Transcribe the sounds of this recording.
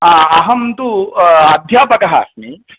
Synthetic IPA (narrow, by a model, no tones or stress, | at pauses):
ɐɦɐmt̪uɐd̪ʱjaːpɐkɐɦa̰ːsmi